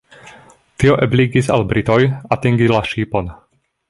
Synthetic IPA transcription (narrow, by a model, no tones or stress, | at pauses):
t̪ioʔebliɡisa̰lbɾit̪ojat̪iŋɡilaʃiːpon